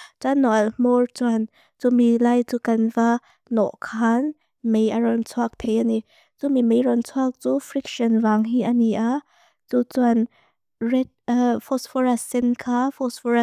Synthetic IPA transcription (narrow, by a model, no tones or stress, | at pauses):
t͡sanːɔmɔɹt͡swan | t͡sumilajt͡sukɐnva | nɔ̰ʔkʰan | mejʔɐɾɔnt͡sʰuak̚t̪ʰejani | t͡sumimejɾɔnt͡sʰuak̚t͡sufɾikʃɔnvaŋɦiʔɐniʔa | t͡sut͡swan | rɛt̚fʰɔsfɔɹasɛnkʰafɔsfɔɾa